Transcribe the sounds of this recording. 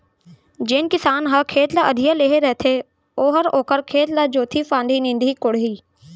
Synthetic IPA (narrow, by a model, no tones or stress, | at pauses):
d͡ʒɪnkɪsaːnɦɐkʰeːt̪laʔəd̪ʱijaleːɦeɾɛɦt̪ʰe | oːɦəɾoːkəɾkʰeːt̪lad͡ʒoːt̪ʰifãːnɖ̪ʱinɪ̃nd̪ʱikʊɽɦiː